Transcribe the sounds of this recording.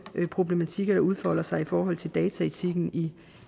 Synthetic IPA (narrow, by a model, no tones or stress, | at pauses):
pʰʁo̝b̥le̝mæt͡sʰiɡ̥ɐɾ̥ɑ̈uð̞ˠfɒ̽l̰ɐsɑ̈ɪifɒːɦɒ̽l̰t͡sʰe̝ld̥ɛːt͡sʰæet͡sʰiɡ̥n̩i